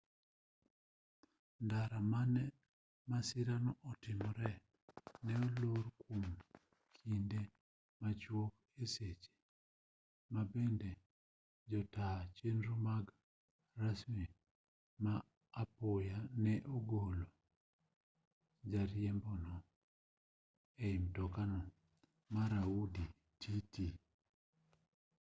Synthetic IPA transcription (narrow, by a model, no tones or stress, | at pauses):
ndaɾamanɛ | masɪɾanɔʔɔtɪmɔɾɛ | nɛɔloɾkʰum | kʰinde | mat͡ʃwok | eset͡ʃe̥ | mabɛndɛ | d͡ʒɔtat͡ʃenɾumaɡ | rasmi | maː | pojanɛʔoɡolo | d͡ʒaɾjɛmbɔnɔ | eimtɔkanɔ | maɾaudi | tʰiti